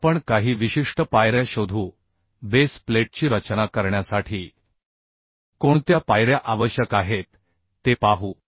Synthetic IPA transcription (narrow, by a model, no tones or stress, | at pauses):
pəɳkaɦiːʋiɕiʂʈəpajɾjaɕod̪ʱuː | bespleʈ̚t͡ɕiːɾət͡ɕnakəɾɳjasaʈʰiː | koɳt̪japajɾjaʔaʋəɕjəkaɦet̪ː | epaɦuː